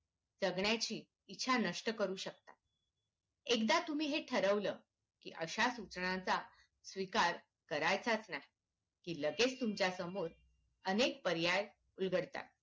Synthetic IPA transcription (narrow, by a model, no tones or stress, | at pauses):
d͡zəɡɳjat͡ɕiː | tːɕʰanəʂʈəkəɾuːɕək̚t̪a̰ | ek̚d̪at̪um̤iːɦeʈʰəɾəʋləː | kḭːʔəɕasut͡sɳãt͡sa | sʋikaɾ | kəɾajt͡sat͡snaɦi | kiːləɡet͡st̪umt͡ɕjasəmoɾ | ənek̚pəɾjaj | ulɡəɽt̪a̰t̪̚